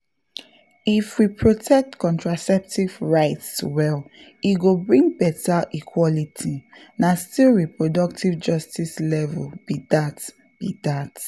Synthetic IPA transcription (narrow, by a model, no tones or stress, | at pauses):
ifwipʰɹotʰɛk̚tkɔ̃ntɹasɛp̚tivɹaɪtswɛl | iɡobɹĩŋɡ̚bɛtaʔikʰwɔlitʰinastilɹipɹodɔk̚tivd͡ʒɔstislɛvɛlb̥idat | b̥idat